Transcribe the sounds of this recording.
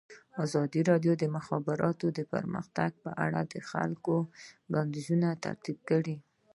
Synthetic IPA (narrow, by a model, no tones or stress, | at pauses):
ɑzɑd̪iɾɑɖjod̪əmʊxɑbɪɾɑt̪od̪əpə̰ɾmə̰xt̪aɡ̚pəʔa̰ɽad̪əxa̰lkobɑnd̪izunat̪a̰ɾt̪ib̚kəɽi